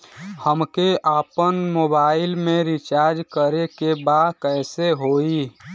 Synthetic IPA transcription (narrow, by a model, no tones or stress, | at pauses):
həmkeʔaːpənmoːbaːɪlmẽɾɪt͡ʃaːɾd͡ʒkəɾekebaːd̪kɛːseɦoːi